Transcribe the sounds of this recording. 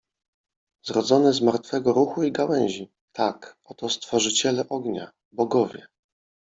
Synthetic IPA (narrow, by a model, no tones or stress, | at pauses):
zɾɔd̪zɔnɛzmaɾt̪fɛɡɔɾuxuiɡawɛ̃ɲ̃ʑi | t̪ʰakɔt̪ɔst̪fɔʐɘt͡ɕɛlɛʔɔɡɲa̰ | bɔɡɔvʲjɛ